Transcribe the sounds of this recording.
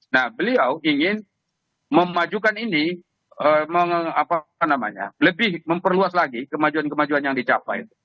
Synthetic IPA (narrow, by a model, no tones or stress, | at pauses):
nahbəliawiŋɪn | məmad͡ʒukanini | əməŋapanama̰ɲa̰ləbɪhməmpərluaslaɡikəmad͡ʒuankəmad͡ʒuanjaŋdit͡ʃapa̰j̰t̪u̥